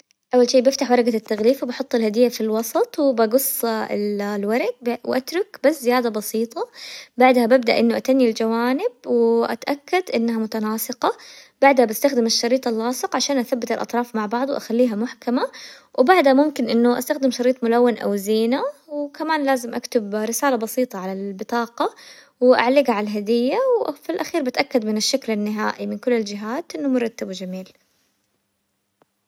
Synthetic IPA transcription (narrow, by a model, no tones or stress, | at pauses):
ʔawːalʃiːbɪft̪aħwɑɾˤɑɡat̪ːaɣliːfwɪbɑħʊt̪ˤːɪlhad̪ɪjːafilwɑsˤɑt̪ˤwɪbaɡʊsˤːllwɑɾˤɪɡ̚bwʔat̪ɾˤʊkbaszɪjaːd̪abɑsiːt̪ˤɑbaʕd̪habab̚d̪a̰ʔɪnːʊʔat̪anːild͡ʒawaːnɪbwɪʔa̰t̪ʔakːad̪ʔɪnːahamʊt̪anɑːsˤɨqɑb̥aʕd̪habɪst̪axd̪ɪmɪʃːɑɾiːt̪ˤɑlːɑːsˤɨqʕaʃaːnʔaθabːɪt̪ɪlʔɑ̰t̪ˤɾˤɑːfmaʕbɑʕd̪ˤwʔa̰xalːiːɦamʊħkamawbaʕd̪hamʊmkɪnʔɪnːʊʔa̰st̪axd̪ɪmʃɑɾiːt̪ˤmʊlawːɪnʔa̰wziːnawkamaːnlaːzɪmʔakt̪ɪbɾɪsaːlabɑsiːt̪ˤɑʕalalbɨt̪ˤɑːqɑ | wʔa̰ʕlɪɡaʕlɦad̪ɪjːawfilʔaxiːɾbɪt̪ʔakːad̪mɪnɪʃːaklanːɪɦa̰ːʔimɪnkʊlːɪld͡ʒɪɦaːt̪ʔɪnːʊmʊɾˤɑt̪ːabwd͡ʒamiːl